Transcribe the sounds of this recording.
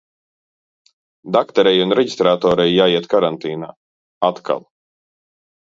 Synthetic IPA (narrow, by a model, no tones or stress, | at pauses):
d̪akt̪ɛɾɛjunɾɛɟist̪ɾaːt̪ɔːɾɛjːaːiɛt̪kaɾant̪iːna̰ː | at̪kʰa̰lˠ